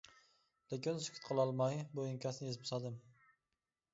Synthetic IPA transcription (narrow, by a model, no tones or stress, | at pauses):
lekʲɪnsʊ̥kʲʰʊ̥t̪qʰɨlˠɒlˠmajbojɪŋkʲʰasnjezpʰʊsad̪ɪm